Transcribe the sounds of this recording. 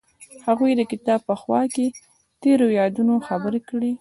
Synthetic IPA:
haɣujd̪əkɪt̪ɑb̚pəxwɑ̰ke | t̪eɾojɑd̪unoxabəɾekɽi

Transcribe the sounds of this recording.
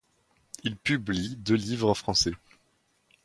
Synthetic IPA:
ilpyblid̪ølivʁɑfχɑ̃sɛ

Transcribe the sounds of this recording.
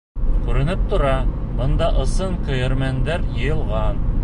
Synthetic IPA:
kʉɾɘ̆nɘp̚t̪ŏɾɑbɤ̆nd̪ɑʔɤ̆sɤɴqɤ̆jɤ̆ɾmænd̪æɾjɤ̆jɤ̆lˠʁɑn

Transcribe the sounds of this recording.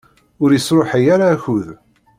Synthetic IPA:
ʊɾjəsɾoħəjaɾaːçʊð

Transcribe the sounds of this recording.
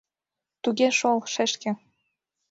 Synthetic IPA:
t̪uɣeʃolʃɘ̆ʃkɘ̆

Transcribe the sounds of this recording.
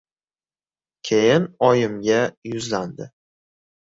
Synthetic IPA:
kʲʰejɪnɒjɪmɡʲajʊzland̪ɪ

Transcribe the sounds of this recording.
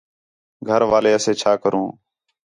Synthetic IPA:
ɡʱəɾʋaːleːəseːt͡ʃʰaːkəɾũː

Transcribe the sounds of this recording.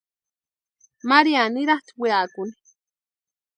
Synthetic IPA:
maɾianɪɾaχt̪wiaːkʊni̥

